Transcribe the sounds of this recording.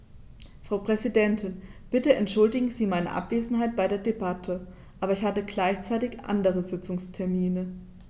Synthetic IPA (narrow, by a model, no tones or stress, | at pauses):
fʁ̥aʊpʁ̥ɛzidɛntʰɪnb̥ɪtəʔɛntʃʊldɪɡŋ̩ziːmaɪnə̰ʔa̰pv̥eːzn̩ɦaɪt̚b̥aɪdeːɐdebatʰə | ʔaːbɐɪçhatəɡlaɪçt͡saɪtɪçʔa̰ndəʁ̞əzɪt͡sʊŋstʰɛɐmiːnə